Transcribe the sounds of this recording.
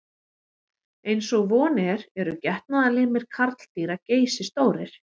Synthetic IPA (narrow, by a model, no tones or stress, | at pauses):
ejnsɔɣvɔːnɛɾɛɾʏcɛht̪naðalɪɣmɛðkʰaɾt̪l̥t̪iːɾaceːjsɪst̪oːwɾɪɾ̥